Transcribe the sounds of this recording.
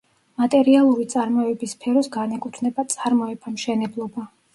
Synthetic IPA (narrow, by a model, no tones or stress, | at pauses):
mat̪ʼɛɾialˠuɾit̪sʼaɾmɔɛbispʰɛɾɔsɡanɛkʼut̪ʰnɛbat̪sʼaɾmɔɛbamʃɛnɛblˠɔba